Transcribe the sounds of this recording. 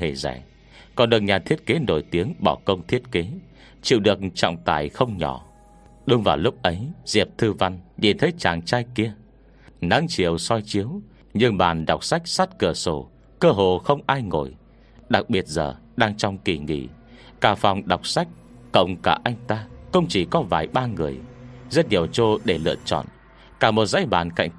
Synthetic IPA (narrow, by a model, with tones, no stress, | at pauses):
e˧˩za̰˧˩˨j | kɔ˨˩nɗɨ˨˩ək̚ɲaː˨˩t̪ʰi˦˥ət̚ke˨˦no˧˩jt̪i˨˦əŋɓɔ˧˩kə˧wŋ͡mt̪ʰi˦˥ət̚ke˨˦ | t͡ɕḭ˧˨wɗɨ˨˩ək̚ŋ̩t͡ɕɔ̰˧˨wŋ͡mt̪a̰ː˧˩jxə˧wŋ͡mɲɔ˧˩ | ɗʊ˧ŋ͡mvaː˨˩wlʊ˦˥k͡p̚ʔə˨˦jz̥ḭ˨˩əp̚t̪ʰɨ˧va˧nɲi˧˨˩nt̪ʰe˨˦t͡ɕaː˨˩ŋt͡ɕaː˧jki˧ə | na̰˧˨˥ŋt͡ɕi˨˩˨əwsɔ˧jt͡ɕi˨˦əw | ɲɨ˧ŋɓaː˨˩nɗa˨˩wk͡p̚sa˦˥jk̟̚sa˦˥t̚kɨ˧˩so˧˩ | kəː˧ɦo˨xə˧wŋ͡mʔaː˧jŋo˧˩j | ɗa˨˩k̚ɓi˨˩ət̚zə̰ː˨˩ | ɗaː˧ŋt͡ɕɔ˧wŋ͡mki˧˩ŋḭ˧˩kaː˧˩fa˨˩wŋ͡mɗa˨˩wk͡p̚sa˦˥jk̚ | kə̰˧˨wŋ͡mkaː˧˩ʔa˧jŋ̟t̪aː˧kʊ̰˧wŋ͡mt͡ɕi˧˩kɔ˨˦vaː˨˩jɓaː˧ŋɨ˨˩əjzə˦˥t̚ɲi˨˩əwt͡ɕo˧ɗe˧˩lɨ̰˧˨ət͡ɕɔ̰˧˨n | kaː˧˩mo˨˩t̚za̰˧˥jɓa̰ː˨˩nka̰˧˨jŋ̟